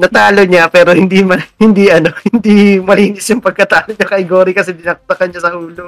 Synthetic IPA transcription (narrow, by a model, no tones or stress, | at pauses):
nɐt̪aːloɲapɛːɾohɪnd̪imɐhɪnd̪iʔɐno̞hɪnd̪imɐliːnɪsjʊŋpɐɡ̚kɐt̪aːloɲakɐjɡoːɾikɐsɛd̪ɪnɐkːt̪ɐkɐnɲasɐhuːlo